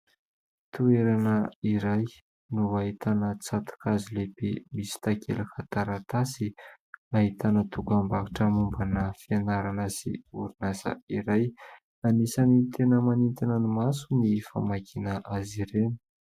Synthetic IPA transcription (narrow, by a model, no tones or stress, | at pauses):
t̪ueɾanəiɾaj | nuaɦit̪ʰanət͡sat̪ḁkazilepemisi̥t̪akʰḛlakat̪aɾat̪asi | aɦit̪anət̪uɡambakaʈ͡ʂəmumbanəfianaɾanəsḭuɾinazə̰iɾaj | anisanit̪ʰenəmanint̪inənimasunifa̰makʰinəʔaziɾenə̥